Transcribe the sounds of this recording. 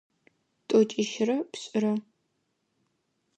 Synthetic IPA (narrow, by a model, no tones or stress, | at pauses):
tʼot͡ʃʼɪʃɪrɐpɕʼɪrɐ